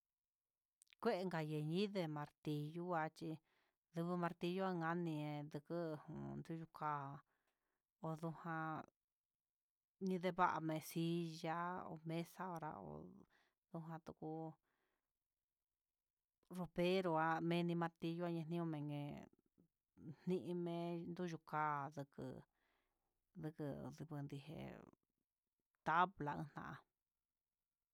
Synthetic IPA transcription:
kʷe˦ʔe˧ŋɡa˨je˨ɲĩ˦ðe˧mã˨˧ɾt̪i˧ju˦a˧t͡ʃi˧ | ðu˧βɨ˧mã˧ɾt̪i˧ju˦a˧ŋɡã˧nĩ˧ẽ˧d̪ɨ˧kɨ˦˧hṵ̃˧˨nd̪u˦˧ju˧kaː˦˧ | o˧ðu˧hã˧ | ɲĩ˧ðe˧βa˦ʔa̰˧mẽ˨˧˨si˧˦ʒa˦o̰˧mẽ˦sa˦o˧ɾa̰˧o̰˧˨ | ðu˧ɦã˧t̪u˧ku˧ | ro˧βe˦ɾo˧a˧mẽ˧nĩ˧mã˧t̪i˧ju˧˦a˧ɲã˧nĩ˦õ˧mẽ˨˧ŋɡẽ˨˧ | n̥nĩ˦˧ʔĩ˧mẽ˧nd̪u˦˧ʒu˧kaː˦ðɨ˧kɨ̰˧ | ðɨ˧kɨ˧ði˧βɨ˧nd̪i˧ɦḛ˧ | t̪a˦βla˧ɨ̰̃˧n̥nã̰˧ʔa̰˧

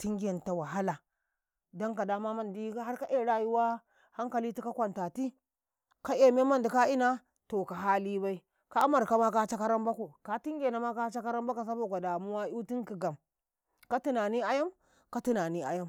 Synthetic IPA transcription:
ti˦ŋɡe˨n˨ta˨wa˨ɦa˦la˨ | da˦ŋka˨da˦ma˦ma˦ndi˦ha˦ɾka˦ʔe˦˨ɾa˦˨ju˦wa˦ | ha˦ŋka˨li˦ti˦ka˦kʷa˨nta˨ti˦ | ka˦e˨me˦ma˦ndi˨ka˦i˦na˦ | to˨ka˨ɦa˦li˦ba˦i˦ | ka˦ma˨ɾka˦ma˦ka˦t͡ʃa˦ka˦ɾa˦mba˦ko˨ka˨ti˦ŋɡʲe˨na˨ma˦ka˦t͡ʃa˦ka˦ɾa˦mba˦ka˨s̬a˦bo˦˨ɡʷa˨da˨mu˦wa˦u˦ti˦ŋki˨ɡa˨m | ka˦ti˦na˨ni˦a˦ja˦m | ka˦ti˦na˨ni˦a̰˦ja˦m

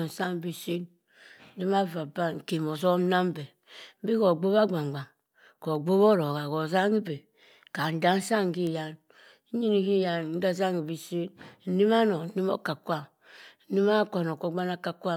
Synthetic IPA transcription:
n̩˨sa˦m˨bi˨si˦n̩˦ | di˦ma˦va˨ba˦˨ŋ̩˨ke˨mo˨zɔ˦m˦na˦m˦bɛ˨ | m˦bi˦ko˨ɡ͡bo˦ba˦ɡ͡ba˨ŋ˨ɡ͡ba˨ŋ | ko˨ɡ͡bo˦βɔ˦ɾo˨ɣa˨ko˨za˦ŋi˦be˨ | ka˨n̩˨da˦n̩˦sa˦ŋ˨ɡi˦˨ja˨n˦ | ɲi˦ni˦ki˦ja˨n˦n̩˦da˦za˦ŋi˨bi˨si˦n˨ni˦ma˦nɔ˨˦ni˦mo̰˦ka˨kʷa˦˨ | ni˦ma˦ka˨no˨ko˨˦ɡ͡ba˦na˦ka˨kʷa˦

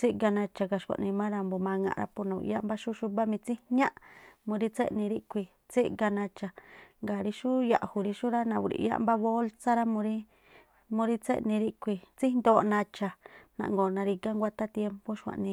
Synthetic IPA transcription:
t͡si˦ʔɡa˧nã˧t͡ʃa˧ka˧ʃkʷa̰˨ʔnĩ˧mã˦ɾa˧mbo˧mã˧ŋã̰˧ʔɾa̰˧po˧nã˨ṵ˨˧ja˦mba˦ʃu˦ʃu˦mba˦mĩ˧t͡si˦ɲã˦ʔmũ˧ɾi˦t͡sḛ˦ʔnĩ˧ɾi˦ʔkʷi˧ | t͡si˦ʔɡa˧nã˧t͡ʃa˨ŋɡa˨ɾi˧ʃu˦ja̰˧ʔhu˨ɾi˧ʃu˦ɾa˦nã˧u˧˨ɾḭ˨ja̰˦ʔmba˦βo˦lt͡sa˦ɾa˦mũ˧ɾi˦ | mũ˧ɾi˦t͡sḛ˦ʔnĩ˧ɾi˦kʷi˧t͡si˦nd̪oː˧˨nã˧t͡ʃa˨nã̰˨ʔŋɡoː˨nã˧ɾi˧ɡa˦ŋɡʷa˧t̪a˦t̪je˧mpo˦ʃkʷã̰˨ʔnĩ˧

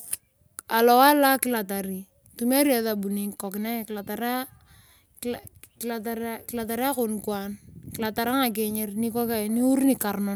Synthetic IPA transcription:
a˨lɔ˨wa˦la˦kɪ˦la˨ta˨ɾi˨ | tu˦me˦ɾi˦ɛ˨ða˨bu˨ni˦kɔ˨kɪna˦˨kɪ˨la˨ta˨ɾa˦ | kla˨taɾkɪ˨la˨ta˨ɾɛ˦a˦ko˨nkwa˦nki˨la˨ta˨ɾa˦ŋa˨k̬ɛ˨ɲɛ˦rni˦kɔ˦ka˨ni˦u˦ɾni˨ka˨rnɔ˦n

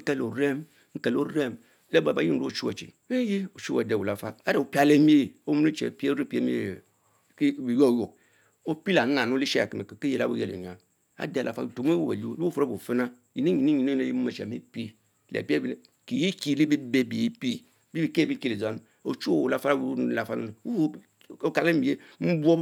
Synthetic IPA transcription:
ke˦lo˨ɾe˦m˦ | ŋ̩˦ke˨lo˦ɾe˦m | le˦ba˨ba˨˦ji˦˨ɾt͡ʃu˦wa̰˨t͡ʃḭ˨ | we˦ji˦o˨t͡ʃu˦a̰˨de˦˨wu˨la˦fa˦a˦de˨u˨pi˦a˨le˦m˦e˦˨o˦mu˦nu˦t͡ʃḛ˨pi˦e˦ɾi˦pi˦e˦mḭ˦˨˦ | i˨jo˦˨jo˨ | o˦pi˦la˨n˦na˨nu˦li˦ʃe˦a̰˨ki˨me˨ki˨ki˦je˨la̰˦bṵ˦je˦˨lḛ˨ɲ˨a˨ | a̰˨˦de˨lʔa̰˨fa̰˦˨to˨m˦wu˦bḛ˨˦u˦lu˦o˦fo˦ɾo˦bo˨fi˦na˦ | ji˨ni˦ɲi˨ni˦ɲi˨ne˦e˦ji˦mu˦ma˨ʃa̰˨mi˦pi˦˨ | lḛ˨pe˦bi˨˦n˨ | ki˨ji˦ki˦li˦bi˦be˦bi˨e˦pi˦ | bi˦bi˦˨ke˦˨bi˦ki˦li˨za˦n˦ | o̰˨t͡ʃu˦˨u˨la˦fa˦ɾa˦wu˦˨la˨fa˦nu˦n˨˦˨ | o˦ka˨le˦mi˨e˦m̩˦bo˦

